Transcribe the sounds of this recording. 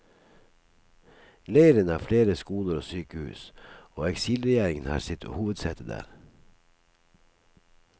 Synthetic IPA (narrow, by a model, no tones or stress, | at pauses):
leɪəɾənɑːfleːɾəskuːləɾoːsyːkəhʉ̰ːsoːɛksiːlɾɛjæːɾɪŋənhɑ̰ːɾsɪt̪ʰːo̰huːʋəd̪sɛt̪əd̪æ̰ːɾ